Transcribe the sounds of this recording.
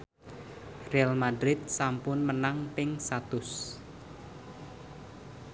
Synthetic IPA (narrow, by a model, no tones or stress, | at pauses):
realmadɾɪt̪̚sampʊnmənaŋpɪŋsat̪ʊs